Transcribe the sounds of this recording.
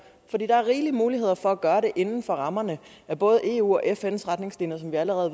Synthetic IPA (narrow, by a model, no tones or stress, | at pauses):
fɒ̽d̥ḭːd̥ɑ̈æɐʁiːlimuːliɦe̝ð̰ˠɐfɒ̽æɡ̥ɶːɐɾe̝ʔe̝nn̩fɒ̽ʁɑ̈mɐnə | æb̥ɔ̽ːð̞ˠe̝̰ːṵːɒ̽ʔefensʁɑd̥ne̝ŋsliːnəs̬ɒ̽mʋiæləʁɛːð̩ˠ